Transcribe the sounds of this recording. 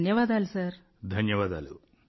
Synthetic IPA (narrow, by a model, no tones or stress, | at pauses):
njɐʋaːd̪aːlusaːɾ | d̪ʱɐnjɐʋaːd̪aːlṵ